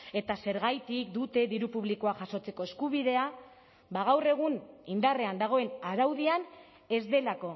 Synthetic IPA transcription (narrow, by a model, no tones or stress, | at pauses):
e̞t̪ase̞ɾɣajt̪ik̚d̪ut̪e̞ðiɾupuβlikoaʝaso̞t͡se̞ko̞e̞skuβ̞iðe̞a | baɣ̞awre̞ɣ̞unind̪are̞and̪aɣ̞o̞e̞naɾawðian | e̞zd̪e̞lako̞